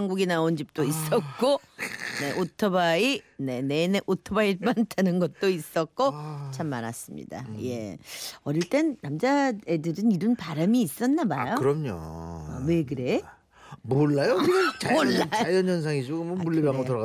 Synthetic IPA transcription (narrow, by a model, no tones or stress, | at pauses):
aŋɡuɡinaond͡ʑip̚t͈ois͈ʌk̚k͈one̞ʔotʰʌbaine̞nenʔotʰʌbaipantʰanɯnɡʌt̚t͈ois͈ʌk̚k͈ot͡ɕʰamːaɾas͈ɯmɲḭda̰je̞̰ʌɾiɭt͈ennamd͡ʑaedɯɾɯniɾʌnpaɾamiːs͈ʌnːabajokɯɾʌmɲo̰we̞kɯɾe̞ | moɭːajooɭːajjʌnʌns̬ʰaŋid͡ʑoɡɯmʌnbuɭːibiamɡotɯɾʌɣ